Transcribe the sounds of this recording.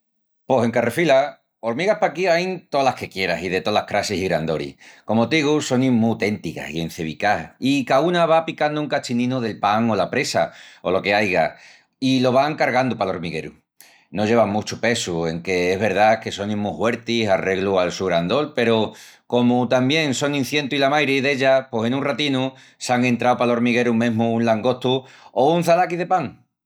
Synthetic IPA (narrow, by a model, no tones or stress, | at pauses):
po̞se̞ŋkarefila | o̞ɾmiɣahpakiajnt̪o̞lahke̞kje̞ɾasiðe̞t̪o̞lahkɾasisiɣɾand̪o̞ɾḭhko̞mot̪iɣuso̞nimut̪e̞nt̪ika̰sie̞n̟θe̞β̞ikaikaunaβapikand̪uŋkat͡ʃinĩnuðe̞lpaŋo̞lapɾe̞sa̰o̞lo̞ke̞ajɣa | ilo̞β̞aŋkaɾɣand̪upalo̞ɾmiɣe̞ɾu | no̞ʝe̞βamut͡ʃupe̞sue̞ŋke̞eɦβe̞ɾðake̞so̞nĩmuhwe̞ɾt̪isare̞ɣlualsuɣɾand̪o̞lpe̞ɾoko̞mut̪ambje̞ŋso̞ŋĩn̟θje̞nt̪uilamajɾeðe̞ʎapwose̞nũnrat̪inu | saŋe̞nt̪ɾawpalo̞ɾmiɣ̞e̞ɾumẽ̞ɦmuunlaŋɡo̞ht̪u | ounθalakiðe̞paŋ